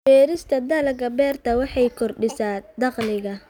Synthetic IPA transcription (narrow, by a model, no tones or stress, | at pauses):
bɛːɾɪst̪ʰɐd̪ɐlɐɡɐbɛːrt̪ʰɐwɑħɑjkʰɔrɖɪsaːd̪ɑqlɪɣɐ